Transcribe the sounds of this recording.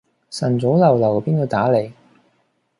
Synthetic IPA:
sɐ˨˩nt͡so˨˥wlɐ˨˩wlɐ˨˩wpiː˥nk̪o˧t̪aː˨˥le˨˩j

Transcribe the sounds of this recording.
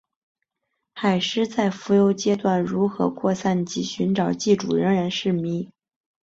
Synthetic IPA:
xa˨˩ɪʂɻ̩˥t͡sa˥˩ɪfu˧˥jo˧˥ʊt͡ɕjɛ˥t̪wa˥˩nɻu˧˥xɤ̰˧˥kʰwɔ˥˧sa˥˩nt͡ɕi˧˥˩ɕy˧˥nʈ͡ʂɑ˨˩ʊt͡ɕi˥˩ʈ͡ʂṵ˨˩ɻə˧˥ŋɻa˧˥nʂɻ̩˥˩mi˧˥

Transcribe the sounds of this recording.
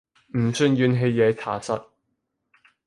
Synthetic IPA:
m̩˨˩sɵ˧nɥyː˨˧nɦe˨˧jːɛː˨˧t͡sʰa̰ː˨˩sɐ̰˥t̚

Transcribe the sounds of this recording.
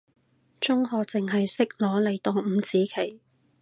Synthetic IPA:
t͡sʊ˥ŋɦɔː˨t͡sɪ˨ŋɦɐ˨jsɪ˥k̚lɔː˨˥le˨˧jt̪ɔː˧˥m̩˨˧t͡siː˨˥kʰe˨˩j

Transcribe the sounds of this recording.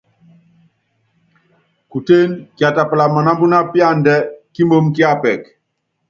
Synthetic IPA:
ku˨te˦nkja˨ta˨pla˨ma˨na˦mbu˦na˦pja˦˨ndɛ˦ki˦mo˦mki˦a˦˨pɛ˨k

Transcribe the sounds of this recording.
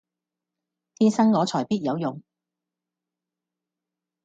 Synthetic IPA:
t̪ʰiː˥nsɐ˥ŋŋɔː˨˧t͡ʃʰɔː˨˩jpiː˥t̚jɐ˨˧wjʊ˨ŋ

